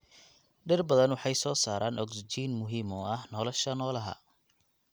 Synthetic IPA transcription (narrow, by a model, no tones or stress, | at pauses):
ɖɪrbɐðɐnwɑħɑjsɔːsaːɾʔaːnʔɔɡsd͡ʒiːnmʊɦiːmɔɐhnɔlɔʃɐnɔːlɐɦɐ̰